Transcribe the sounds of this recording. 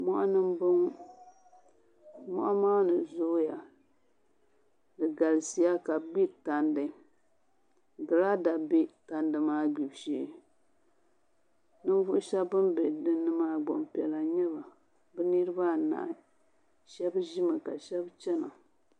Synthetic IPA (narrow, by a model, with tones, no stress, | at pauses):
mɔ˦ʔa˦nɨ˦mbɨ˦ŋ | mɔ̰˦ʔa˦maː˦nɨ˨zo˦ja˨ | dɨ˨ɡa˨lsi˦ja˦ka˨ɡ͡bi˦ta˨ndɨ˨ | ɡɨ˨la˦da˨be˦ta˨ndɨ˨maː˦ɡ͡bi˨bʃe˨˦ | nɨ˦n˦vʊ˦ʔʊ˦ʃɛ˦bɨ˦mbɛ˨dɨ˦nːɨ˦maː˦ɡ͡bɔ˨mpɛ˨la˨ɲɛ˦ba˨ | bɨ˦nɨ˦ɾɨ˦ba˦˨na̰˨ʔ | ʃɛ˦bʒi˦mɨ˨ka˨ʃɛ˦bt͡ʃɛ˦na˨